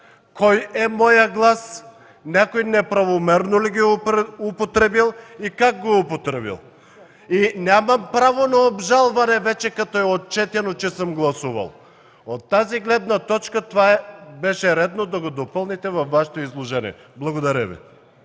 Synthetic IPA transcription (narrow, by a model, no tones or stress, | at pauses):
kɔjɛmɔjaɡlˠas | nɛkojnɛpɾɐvomɛɾnoliɡiupot̪ɾɛbilˠikakɡoupot̪ɾɛbḭlˠ | inʲamɐmpɾavonaobʒalˠvanɛvɛt͡ʃɛkat̪ɔɛot̪̚t͡ʃɛt̪ɛnot͡ʃɛsəmɡlˠɐsuvɐ̰lˠ | ot̪ːaziɡlɛd̪nat̪ɔt͡ʃkat̪ovaɛbɛʃɛɾɛd̪nod̪aɡod̪opəlˠnit̪ɛvɐfːaʃɛ̥t̪oizlˠoʒɛnḭɛ̰ | blˠɐɡod̪aɾɛvḭ